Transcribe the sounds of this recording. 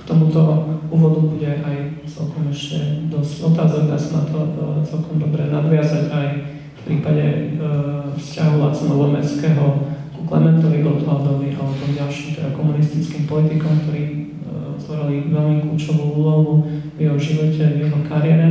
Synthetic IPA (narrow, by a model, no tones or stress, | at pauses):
kt̪ɔmut̪ɔuːʋɔd̪ubuɟɛʔajt͡sɛ̰lkɔmɛʃcɛ̰d̪ɔscɔt̪aːzɔɡd̪a̰sanat̪ʰɔt͡sɛlkɔmd̪ɔbɾɛnad̪ʋɪazaɟaj | fpɾiːpaɟɛ̰ | fscaɦula̰t͡sɛnɔlɛmɛ̰t͡skɛːɦɔkuklɛ̰mɛnt̪ɔʋiʔɔd̪lad̪ɔliʔa̰lɛt̪ɔmɟalʃimt̪ɛd̪akɔmunist̪it͡skiːmpɔlit̪ikɔmk̚t̪ɔɾiː | zɔɾaliʋɛlmiklṵːt͡ʃɔʋuuːlɔɦuvjɛɦɔʒiʋɔcɛvjɛɦɔkaɾɪɛɾɛ